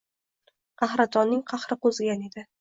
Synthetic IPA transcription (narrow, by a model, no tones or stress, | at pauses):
qʰɑhɾat̪ʰɒnːɪŋqʰɑhɾɪqozɪɡʲane̞d̪ɪ